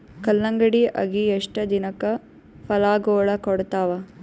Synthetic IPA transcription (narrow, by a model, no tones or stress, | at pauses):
kɐlːɐŋɡɐɽiʔɐ̰ɡieʂʈɐd̪inɐkːɐ | pɐlaːɡoːɭɐkɔɽt̪aːʋɐ